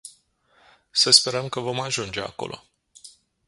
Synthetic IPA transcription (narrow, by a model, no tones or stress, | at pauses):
səspe̞ɾəmkəvo̞maʒund͡ʒe̞a̰ko̞̰lʔo̞̰